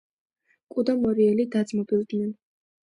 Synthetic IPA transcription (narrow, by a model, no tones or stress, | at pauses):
kʼud̪amɔɾiɛlid̪ad̪zmɔbilˠd̪nɛn